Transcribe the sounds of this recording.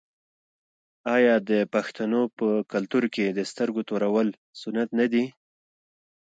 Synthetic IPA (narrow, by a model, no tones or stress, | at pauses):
ɑjɑd̪əpaxt̪anopəkalt̪uɾked̪əst̪əɾɡot̪oɾawəl | sʊnat̪nad̪i